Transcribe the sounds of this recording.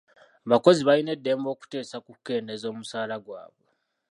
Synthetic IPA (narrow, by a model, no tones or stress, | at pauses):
aβako̞ziβajine̞dːe̞ːmbo̞ːku̥te̞ːsakukːe̞ːndezo̞ːmusaːlaɡwa̰ːβwe